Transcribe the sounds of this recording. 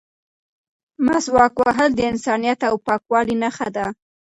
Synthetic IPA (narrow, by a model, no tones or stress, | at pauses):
maswɑkwaɦəld̪əɪnsɑnijat̪awpɑkwɑlinaxad̪a